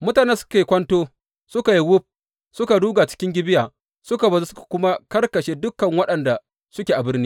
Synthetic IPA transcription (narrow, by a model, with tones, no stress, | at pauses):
mʊ˦taː˨ne˦sʊ̥˦ka˨i˨kʷɐ˦ntoː˦ | sʊ˦ka˨ji˦wʊ˦p̚ | sʊ˦ka˨duː˦ɡaː˨t͡ʃɪ̥˦kʲɪ˦ŋɡʲɪ˦bɪ˦jaː˨ | sʊ˦ka˨bɐ˨zu˦sʊ˦kḁ˨kʷʊ˦ma˦kɐ˦rkɐ˨ʃeː˦dʊ˦kːɐ˨ŋwɐ˦ɗɐ˨nda˨ | sʊ˦kʲe˨ʔa˨bɪ˦rniː˦